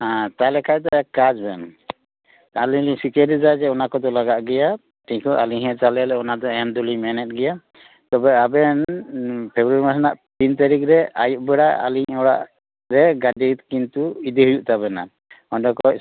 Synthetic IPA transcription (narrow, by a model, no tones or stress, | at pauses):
ãt̪alɛkʰajd̪ɔʔɛkad͡ʒbɛn | aliɲliɲsikeɾid͡ʒad͡ʒɛɔnakɔd̪ɔlaɡaʔɡɛja | ʈʰikɔʔaliɲɦɛt͡ʃalɛlɛɔnad̪ɔɛnd̪ulimɛnɛt̪̚ɡɛja | t̪ɔbɛabɛnpʰɛbɾaɾimasanaʔpint̪aɾikɾɛa̰juʔbɛɽaʔa̰liɲɔɽa̰ʔ | ɾɛɡaɖit̪̚kint̪uid̪iɦujuʔt̪abɛna̰ | ɔnɖɔkɔ